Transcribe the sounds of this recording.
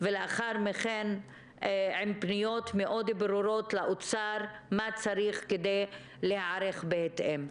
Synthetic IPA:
veleaχaɾmeχen | ʕempnijo̞t̪meʔod̪beɾuɾo̞t̪laʔot͡saɾmat͡saɾiχked̪ej | lehaaɾeχbehet̪ʔem

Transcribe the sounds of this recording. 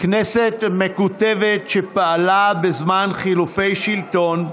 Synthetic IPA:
kneset̪mekut̪evet̪ʃepaalabezmanχilufe̞jʃilt̪o̞n

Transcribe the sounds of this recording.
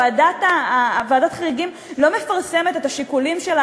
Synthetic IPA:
adatavaːdat̪χaʁiɡim | lo̞me̞faʁse̞me̞t̪et̪aʃikulimʃela

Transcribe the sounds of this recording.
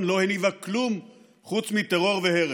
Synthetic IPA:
nlo̞henivaklum | χut͡smit̪eʁo̞ʁveheʁ

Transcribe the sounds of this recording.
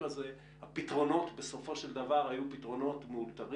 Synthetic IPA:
aze | hapit̪ʁo̞no̞t̪be̞so̞fo̞ʃe̞ld̪avaʁajupit̪ʁo̞no̞tmeult̪aʁ

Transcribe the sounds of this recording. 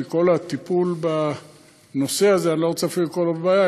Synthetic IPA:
iko̞lat̪ipulba | no̞seazeanloot͡seafilikolabbaːja

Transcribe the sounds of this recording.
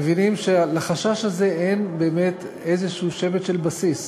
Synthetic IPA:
evinimʃelaχaʃaʃhaze̞ʔenbe̞ːmet | ezeʃuuʃevet̪ʃelbasis

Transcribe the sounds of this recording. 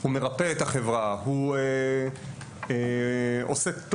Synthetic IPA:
hume̞ʁapeet̪aχevʁahue | o̰set̪

